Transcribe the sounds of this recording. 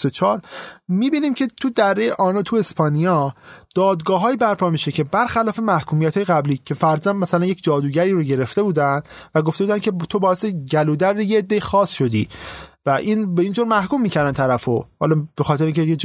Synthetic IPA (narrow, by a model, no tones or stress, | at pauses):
ot͡ʃʰɒːɾmiːbiːniːmcʰe̞t̪ʰud̪æɾːejeʔɒːnot̪ʰue̞spɒːnijɒːd̪̥ɒːd̪ɡɒːɦɒːibæɾpʰɒːmiʃecʰe̞bæɾxælɒːfe̞mæhkʰuːmijæt̪ʰhɒːjeɣæbliːcʰe̞fæɾzænd̪mæsælænjecʰd͡ʒɒːd̪uːɟæɾiːɾoɟe̞ɾe̞ft̪e̞buːd̪ænd̪væɡoft̪ebuːd̪æncʰe̞t̪ʰo̞bɒːeseɟælud̪æɾd̪ejeːd̪ːejixɒːsʃo̞d̪ḭːvæʔinbeiːnd͡ʒoɾmæhkuːmːiːcʰæɾd̪ænt̪ʰæɾæfohɒ̰ːlɒb̥e̞xɒːt̪eɾeĩːŋcʰeje